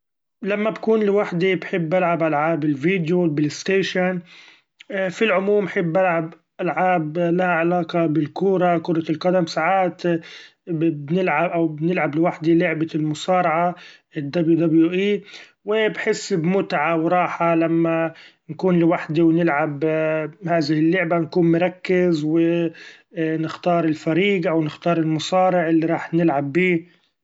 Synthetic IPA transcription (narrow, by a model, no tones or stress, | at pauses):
lamːabkuːnlɪwaħd̪ibħɪbːalʕabʔalʕaːbɪlviːd̪jobɪlɪst̪eːʃan | filʕʊmuːmːħɪbːʔalʕab | ʔalʕaːblahaʕalaːqɑbɪlkʊːɾˤɑkʊɾˤɑlqɑd̪amsaʕaːt̪ | bnɪlʕabʔawbnɪlʕablɪwaħd̪ilʊʕbalmʊsɑːɾˤɑʕa | ɪd̪ːablud̪abljuʔiː | wɪbħɪsːbmʊt̪ʕawɾˤɑːħalamːa | nkuːnlɪwaħd̪iwnɪlʕabhaːðɪhɪlːʊʕbankuːnmʊɾˤɑkːɪzwɪ | nɪxt̪ɑːɾˤɪlfaɾiːɡʔawnɪxt̪ɑːɾˤɪlmʊsˤɑːɾɪʕʔɪlːiɾˤɑːħnɪlʕabːiː